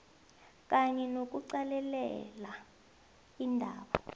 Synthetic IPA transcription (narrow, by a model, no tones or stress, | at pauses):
k̬ʼaɲɛnok̬uǀalɛlɛ̰la | indʱaːɓa